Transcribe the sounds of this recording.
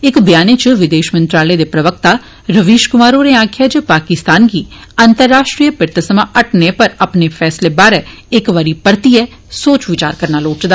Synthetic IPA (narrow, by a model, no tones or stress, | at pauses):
ɪkbjaːneːt͡ʃʋɪd̪eːʃmənt̪ɾaːleːd̪eːpɾəʋək̚t̪aː | ɾəʋiːʃkʊmaːɾoːɾeːãːkʰjaːt͡ʃəpaːkɪst̪aːnɡiːənt̪əɾːaːʃʈɾiːəpɪɾt̪əsəmãːʔəʈnepəɾəpneːpʰɛːsleːbaːɾɛː | ɪkʋaːɾiːpəɾt̪iːɛː | soːt͡ʃʋɪt͡ʃa̰ːɾkəɾnaːloːʈd̪aː